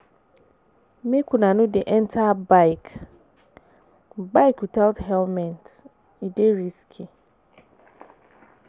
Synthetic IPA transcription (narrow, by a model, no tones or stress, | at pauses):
mẽkʰunãnʊ̃dɛʔɛntʰabaɪk | baɪkwitʰalthɛlmɛ̃nt | ideɾiskʰi